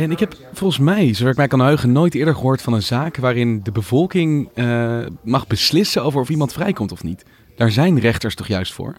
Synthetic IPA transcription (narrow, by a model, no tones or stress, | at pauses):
ɛnɪkɦɛpfɔlˠχənsmɛjsowdaːɪkmɛjkɑnɦøɥχənojtɪːɹdəɹχəɦʊːɹtfɑnənzaːkʋaːɾɪndəbəvɔlˠkɪŋ | mɑχbəslɪsənowvəɹɔfimɑntfrɛjkɔmtɔfnit | d̥aːɹzɛjnrɛχtəɹstɔχjœɥstfʊ̰ːɹ